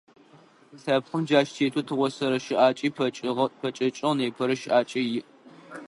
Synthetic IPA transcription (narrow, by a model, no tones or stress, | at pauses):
ɬaːpχəmd͡ʒaːʃtʰeːtʰutʰɨʁʷɔsɐɾɐʃɪʔaːt͡ʃʼiːpʰɐt͡ʃʼɐt͡ʃʼɪʁneːpʰɐɾɐʃɪʔaːt͡ʃʼɐjɪʔ